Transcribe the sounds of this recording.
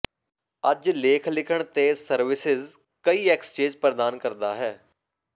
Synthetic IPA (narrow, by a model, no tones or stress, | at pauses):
əd͡ʒleːkʰlɪkʰəɳ̃t̪eːsəɾʋɪsɪz | kəiːɛkst͡ʃeːd͡ʒpɾəd̪aːnkəɾd̪aːɦɛː